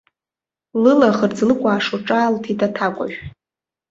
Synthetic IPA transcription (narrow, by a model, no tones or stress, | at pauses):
lɨlaχərd͡zlɨkʷʼaːʂoʈ͡ʂʼaːltʰitʰʼatʰakʷʼa̰ʒᶣ